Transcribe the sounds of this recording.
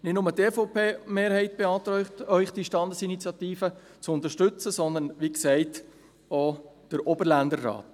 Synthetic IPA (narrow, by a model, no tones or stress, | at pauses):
nɪtnʊmətefopʰeːmeːɾhɛɪt̚b̥eɑːt̪ɾœʏχtœʏχd̥iʃtɑndəsinit͡sjɑtiːfə | t͡sʊnt̪əɾʃtʏt͡səsɔnd̪ənʋiksɛɪt | od̥əɾobəɾlænd̪əɾːɑ̰ːt